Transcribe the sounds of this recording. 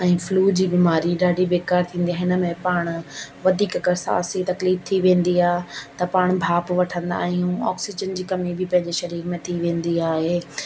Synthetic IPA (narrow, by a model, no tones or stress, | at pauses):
ɛ̃ːfluːd͡ʑiːbiːmaːɾiɗaːɖibeːkaːɾt̪ʰĩːn̆d̪iaːɦɪnə̆mẽpaːɽ̃ʋɐd̪ʱiːkkɐɾsa̰ːsit̪ɐkliːft̪ʰiʋẽːnd̪iaːɦet̪ɐpaːɽ̃bʱaːpʋɐʈʰə̃nd̪a̰ːɦijũɔ̰ːksɪd͡ʑənd͡ʑiːkɐmibʱɪpɐ̃ɦɪ̃ɲd͡ʑeʃɐɾiːɾmẽt̪ʰiʋẽːn̆d̪iaːɦeː